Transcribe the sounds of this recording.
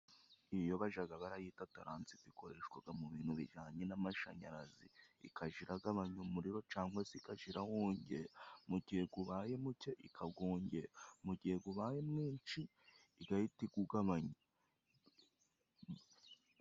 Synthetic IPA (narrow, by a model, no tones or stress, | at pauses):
ijo̞βaʒaɡaβaɾajiːtataɾaːnt͡sitiko̞ɾe̞ʃkwaɡamuβiːn̥huβḭʒaːɲenamaʃa̰ɲaɾaziḭkʰaʒiɾaɡaβaɲomuɾiɾo̞t͡ʃaːŋɡwasikaʒiɾahoːɲɟeamuɟihe̞ɡuβaːje̞muceʔikʰaɡoːɲɟemuɟihe̞ɡuβaːje̞mŋiːnt͡ʃiː | ɡaitiɡuɡaβaɲo